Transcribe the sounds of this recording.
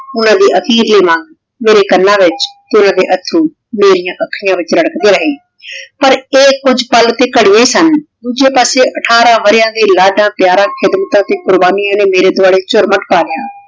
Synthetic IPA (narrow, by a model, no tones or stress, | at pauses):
ʊnãːd̪iːʔəkʰiːɾleːmãːŋɡ | meːɾeːkənːãːʋɪt͡ʃt̪eʊnãːd̪eːʔət̪ʰːɾũː | meːɾijãːʔəkʰːɪjãːʋɪt͡ʃləɽəkd̪eːɾəɦeː | pəɾeːkʊd͡ʒpəlt̪eːkəɽɪjãːiːsənd̪uːd͡ʒeːpaːseːʔəʈʰaːɾãːʋəɾɪjãːd̪eːlaːɖãːpjaːɾãːkʰɪd̪mət̪ãːt̪eːkʊɾbaːnɪjãːneːmeːɾeːd̪ʊaːɽeːt͡ʃʊɾməʈpaːlɪjãː